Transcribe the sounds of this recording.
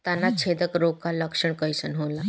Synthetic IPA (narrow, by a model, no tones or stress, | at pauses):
t̪janːat͡ɕʰed̪əkɾokaləkʂəɳkəjsənɦola